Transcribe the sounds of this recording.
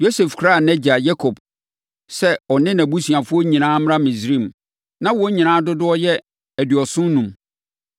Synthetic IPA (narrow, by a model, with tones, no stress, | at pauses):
jo˦se˨fkʰɾa˦˨nɛ˦d͡ʑa˨jɛ˦kʰo˨b | sɛ˦ɔ˨nɪ̃˦nã˨bu˦sɥa˨fʊ˦ɔ˦ɲĩ˨nãː˦m˦ɾã˦mĩ˨sɾĩ˦˨m | nã˦wɔ˦ɲĩ˨nãː˦dʊ˦dʊ˦ɔ˦jɛ˦ | æ˨dɥɔ˨sʊ̃˦n˦nũ˨m